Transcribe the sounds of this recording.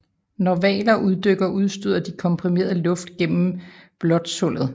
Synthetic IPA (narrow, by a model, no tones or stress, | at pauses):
nɒʋɛ̰ːlɐʔuð̞ˠd̥øɡ̥ɐʔuð̞ˠsd̥yð̰ˠɐd̥ikʰɒ̽mpʰʁime̝̰ːɐðˠlɔ̽fd̥ɡ̥en̰m̩b̥lɒ̽d̥sɔl̰ð̩ˠ